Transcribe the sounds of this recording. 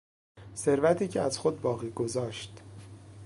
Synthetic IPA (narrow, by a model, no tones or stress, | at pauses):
se̞ɾvæt̪ʰiːcʰeæz̥xo̞d̪̚bɒːɣiːɡo̞zɒːʃt̪